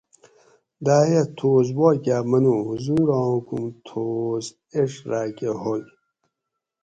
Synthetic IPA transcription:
d̪aːɦet̪ʰoːz̬woːkʲaːmɐnuhuzuːɾãːkṵmt̪ʰoːz | eʂɾaːkeɦojʲ

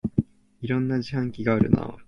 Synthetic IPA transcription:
iɾõ̞nːaʑihãŋkʲiɡaːɾɯ̟̰na̰

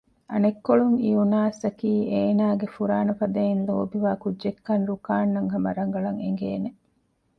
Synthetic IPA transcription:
ʔɐnekːoɭuŋiunaːsɐkiːeːnaːɡefuɾaːnɐfɐd̪ɐinloːbiʋaːkudd͡ʒekːɐnɾukaːnːɐŋɦɐmɐɾɐŋɡɐɭɐŋḛŋɡeːne

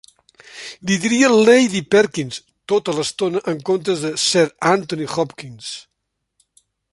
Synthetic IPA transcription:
d̪iðiɾiəlejðipɛɾkins | t̪ot̪ələst̪onəʔəŋkont̪ɾəzðəsɛɾant̪unixɔpkins

